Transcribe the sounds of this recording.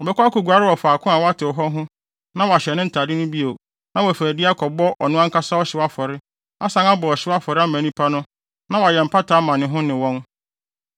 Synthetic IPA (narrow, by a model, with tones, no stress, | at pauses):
ɔ˨bɛ˨kʰʷɔ˦a˦ku˨ɡu˨a˨ɾɪ˦wɔ˨faː˨kʰʊ̃˦a˨wa˦tʰɪ˨ɔ˨ɦɔ˦ɦʊ̃˦ | nã˦wa˨ɕɛ˨nɪ̃˦n̩˨tʰa˨dɪ˦nʊ̃˦bi˦o˨ | nã˦wɔ˨fæ˨dɪ˦a˦kʰɔ˨bɔ˦ʔɔ˨nʊ̃˦ã˦ŋ̩ka˦sa˦ɔ˦ɕɪ˨˦wa˦fɔ˨ɾɪ˦ | a˦sã˨ŋa˦bɔ˨ɔ˨ɕɪ˦wa˦fɔ˨ɾɪ˦a˦mæ̃˨nĩ˦pʰa˦nʊ̃˦ | nã˦wa˨jɛ˨m̩˨pʰa˦tʰaː˨˦mã˨nɪ̃˨ɦʊ̃˦nɪ̃˨wɔ̃˦n